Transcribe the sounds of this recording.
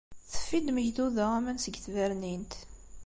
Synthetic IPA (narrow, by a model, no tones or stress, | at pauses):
θə̥fːid̪məçd̪uðəʁæmænsəɡθvæɾnint̪